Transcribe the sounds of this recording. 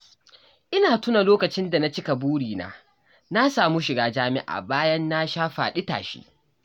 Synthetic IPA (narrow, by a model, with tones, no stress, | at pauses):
ʔɪ˦naː˨tʊ˦na˨loː˦kɐ˨t͡ʃɪ˦nda˨na˦t͡ʃɪ˦ka˨buː˦ɽiː˨na̰ː˦ | na˦saː˨mu˦ʃɪ˨ɡaː˦d͡ʒaː˦mɪ˦ʔa̰˨baː˦jɐ˦nːa˦ʃaː˦ɸa̰ː˨ɗɪ˦ta̰ː˨ʃḭ˦